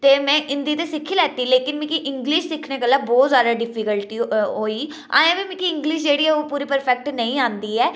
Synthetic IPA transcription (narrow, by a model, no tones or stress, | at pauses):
t̪eːmɛ̃ːʔɪ̃nd̪iːt̪eːsɪkʰːiːlɛːt̪iːleːkɪnmɪ̃kʰiːʔɪ̃ŋɡlɪʃsɪkʰːneːɡəlːaːbɔːt̪zjaːd̪aːɖɪpʰikəlʈiːɦoːiː | a̰ːẽːbiːmɪ̃ːkʰiːɪ̃ŋɡlɪʃd͡ʒeːɽiːɛːoːpuːɾiːpəɾpʰɛk̚ʈnəĩːãːnd̪iːɛː